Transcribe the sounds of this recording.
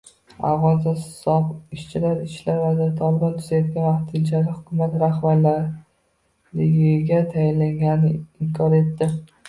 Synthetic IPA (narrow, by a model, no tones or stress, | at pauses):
a̰wʁɒnzasɒbɪʃt͡ʃʰɪlaɾɪʃlaɾvad̪at̪ʰɒlɪbɒnt̪ʰʊzajɒt̪̚kʲanvaqt̪ʰɪnt͡ʃʰaɾɪhʊkʲʰʊmat̪ɾahbaɾlaɾ | lɪɡʲɪɡʲat̪ʰajɪnlaŋɡʲannɪɪmkʰɒɾe̞t̪ːɪ